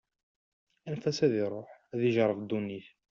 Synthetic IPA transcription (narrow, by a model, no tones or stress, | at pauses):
ænfæsæðiɾˤoħæðiʒɾˤəvd̪unːiθ